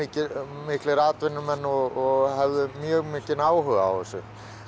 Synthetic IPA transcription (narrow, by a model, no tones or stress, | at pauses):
ɪːcɪmɪhklɪɾaːt̪vɪnːʏmɛnːɔɣɔɣhɛvðʏmjœːɣmɪːcɪnaːwɦʏɣaa̰wθɛsʏ